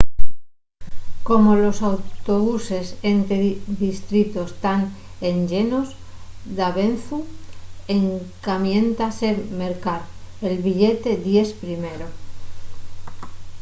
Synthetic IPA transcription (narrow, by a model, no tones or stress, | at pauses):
ko̞molo̞sawt̪oβuse̞sent̪eðist̪ɾit̪ost̪aŋ | enʎenos | ðaβ̞enθu | eŋkamjẽ̞nt̪aseme̞ɾkaɾelβiʎet̪e̞ðje̞spɾimeɾo